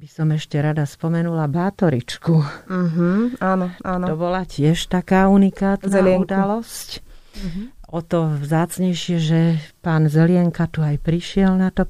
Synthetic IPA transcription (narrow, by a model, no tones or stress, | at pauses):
b̥isɔmɛʃcɛɾad̪aspɔmɛnulabaːt̪ɔɾit͡ʃkuɦ̩aːnɔʔaːnt̪ɔbɔlacɪɛʃt̪akaːunikaːt̪nɛlɪɛŋud̪alɔsc | ɔt̪ɔvzaːt͡sɲɛjʃɪɛʒɛpaːnzɛlɪɛŋkat̪uajpɾiʃɪɛlnat̪ɔ